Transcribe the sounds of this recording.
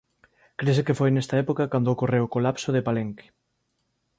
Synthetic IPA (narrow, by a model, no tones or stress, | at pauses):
kɾesekefojnest̪ɐɛpokɐkand̪ookorewokolapsoðepaleŋke̥